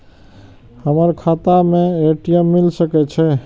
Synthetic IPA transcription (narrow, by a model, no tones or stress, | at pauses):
həməɾkʰat̪ameeʈijəmːilsəkɛt͡ʃʰɛ